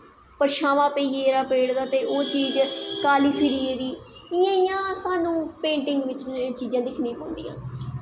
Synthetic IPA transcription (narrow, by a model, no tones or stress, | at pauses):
pəɾʃaːʋãːpəiːeːɾaːpeːɽd̪aːt̪eːʔoːt͡ʃiːd͡ʒkaːliːpʰɪɾiːɾiː | ɪjãːɪjãːsaːnũːpẽːɳʈɪŋɡʋɪt͡ʃt͡ʃiːd͡ʒãːd̪ɪkʰnĩːpõːnd̪ḭːã̰ː